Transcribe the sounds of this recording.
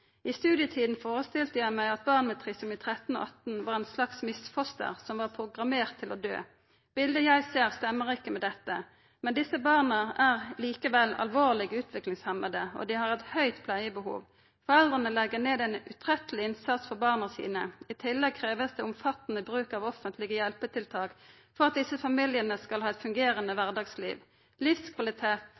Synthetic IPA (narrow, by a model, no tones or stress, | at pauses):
ʔɪst̪ʉːd̪jət̪ʰiːd̪n̩foːʁəst̪ɪlt̪əjæɪmæɪɑt̪̚bɑːʁnmɛt̪ʰʁɪsɔmit̪ʰʁɛt̪n̩o̰ːʔɑt̪n̩ʋɑːʁɛnslɑksmɪsfɔst̪ə̰ʁsɔmʋɑːʁpʰʁʊɡʁɑmeːʁt̪ʰːɪlɔd̪ø̰ː | b̥ɪld̪əjæɪseːʁst̪ɛmːəʁɪkːəmɛd̪ɛt̪ːə | mɛnd̪ɪsəbɑːʁnəæʁliːkəʋɛlːɑ̰lʋoːʁlɪɡʉːt̪ʰʋɪklɪŋshɛməd̪əɔ̰d̪ɪhɑʁɛt̪hœʏt̪pʰlæɪəbəhṵːʋ | fɔʁɛld̪ʁənəlɛɡəʁneːd̪ɛnʉt̪ʰʁɛt̪əlɪɪnsɑt̪sfɔʁbɑːʁnəʁsḭːnəɪt̪ʰɪlːɛɡ̚kʰʁeːʋəsd̪ɛʊmfɑt̪ːənəbʁʉːkɑʋɔfənt̪ʰlɪɡəjɛlpət̪ʰɪlt̪ʰɑːk | fɔʁɑt̪̚d̪ɪsəfɑmɪljənəskɑlhɑːɛt̪fʉŋɡeːʁənəʋæʁd̪ɑɡslḭːʋ | lɪfskʰʋɑlɪt̪ʰeːt̪